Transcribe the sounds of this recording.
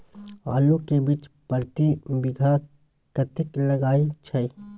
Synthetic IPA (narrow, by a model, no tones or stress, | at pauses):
a̰ːlõkebit͡ʃpəɾt̪ibɪɡʱa | kət̪əkləɡaːit͡ʃʰɛ